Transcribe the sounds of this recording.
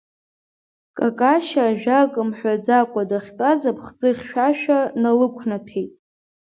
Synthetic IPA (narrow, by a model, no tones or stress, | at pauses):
kʼakʼaʃaːʒᶣakʼɨmħʷᶣad͡zakʷʼadaχʲtʼazapʰχd͡zɨχʲʃᶣaʃᶣanalɨkʷʰnapʰejtʼ